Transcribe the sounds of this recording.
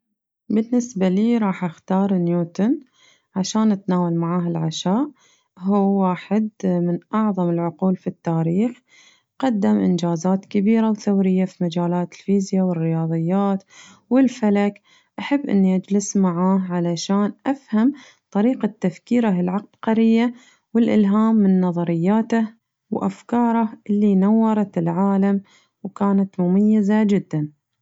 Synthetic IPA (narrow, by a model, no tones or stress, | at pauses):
bɪnːɪsbaliːɾˤɑːħʔaxt̪ɑːɾˤnjuːt̪ʊn | ʕaʃaːnʔat̪naːwalmaʕaːɦɪlʕaʃaːʔ | ɦuːaːħɪd̪mɪnʔɑʕðˤɑmɪlʕʊquːlfit̪ːaːɾiːx | qɑd̪ːamʔɪ̰nd͡ʒaːzaːt̪kabiːɾawθawɾɪjːafimad͡ʒaːlaːt̪ɪ̥lfiːzjawɪrːɪjɑːðˤɨjːaːt̪ | wɪlfalak | ʔaħabːʔɪ̰nːiʔad͡ʒlɪsmaʕaːʕalaʃaːnʔafham | t̪ˤɑɾiːqat̪ːafkiːɾaɦɪlʕaq̚b̪̥qɑɾɪjːa | wɪlʔɪlɦaːmːɪnːɑðˤɑɾɪjːaːt̪ah | wʔa̰fkɑːɾˤɑhʔɪlːinawːɑɾˤɑt̪ɪlʕaːlam | wkaːnat̪mʊmajːazad͡ʒɪd̪ːan